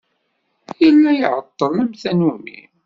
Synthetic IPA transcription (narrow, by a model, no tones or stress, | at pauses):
jəlːæjʕət̪ˤːəlˤæmθænumḭ